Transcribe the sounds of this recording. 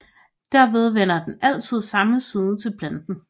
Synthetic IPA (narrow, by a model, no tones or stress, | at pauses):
d̥æɐʋe̝ð̞ˠʋen̰ɐd̥enæl̰t͡sʰið̞̰ˠsɑ̈məsiːðˠt͡sʰe̝lpʰlænd̥n̩